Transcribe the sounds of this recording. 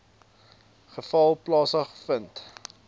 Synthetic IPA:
χəfɐlˠplɑːsəχəfənt

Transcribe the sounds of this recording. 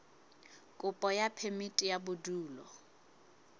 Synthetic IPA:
kʼʊpʼɔjapʰemitʼijabʊduːlɔ

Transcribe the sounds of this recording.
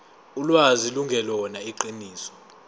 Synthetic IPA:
ulwaziluŋɡʱɛlɔnaiǃiniːsɔ̥

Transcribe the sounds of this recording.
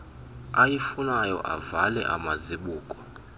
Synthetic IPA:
ajifunajɔ̰ʔa̰valɛ̰ʔa̰maziɓuːkʼɔ̥

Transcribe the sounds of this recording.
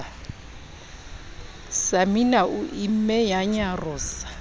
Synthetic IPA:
saminaʔuʔim̩mɛjaɲarʊːsḁ

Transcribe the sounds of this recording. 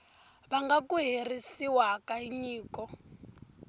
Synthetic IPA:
βaŋɡakuɦerisiwakaiɲiːkɔ

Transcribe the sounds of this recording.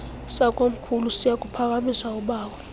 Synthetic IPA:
sak̬ʼom̩kʰulusijak̬ʼupʰak̬ʼamisauɓaːwɛ

